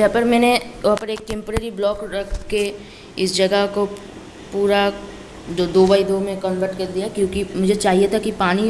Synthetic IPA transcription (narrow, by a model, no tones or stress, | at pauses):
d͡ʒɐɦãpɐɾmɛːneɐɦãpɐɾeːk̚ʈɛ̃ːmpoɾeːɾiblɔːkɾɐkʰke | ɪsd͡ʒɐɡəɦko | puːɾa | d͡ʒod̪oːbaːid̪oːmẽkə̃nʋəɾʈkɐɾd̪ijakjõːkimʊd͡ʒʱet͡ʃaːɦijet̪ʰakipaːni